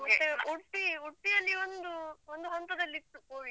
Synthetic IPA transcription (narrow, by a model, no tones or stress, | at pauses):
mɐːeuʈːiuʈːijɐlːiond̪uond̪uɦɔnt̪ɐd̪ɐlːit̪ːuu